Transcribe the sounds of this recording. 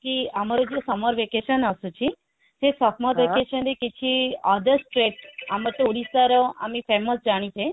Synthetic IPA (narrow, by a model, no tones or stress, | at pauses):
kiəmaɾod͡ʒesɔmɔɾʋekeʃənəsũt͡ʃʰi | t̪esɔmɔɾʋekeʃənɾekit͡ʃʰiad̪əsʈɾeʈaməʈ̪ːeuɽisaɾoamipeməsd͡ʒaɽ̃it͡ʃʰe